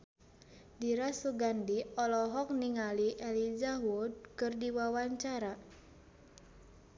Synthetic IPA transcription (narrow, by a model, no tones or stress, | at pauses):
diɾasuɡandiɔlɔɦɔk̚niŋaliʔɛlid͡ʒaɦud̚kɨrdiwawaɲt͡ʃaɾa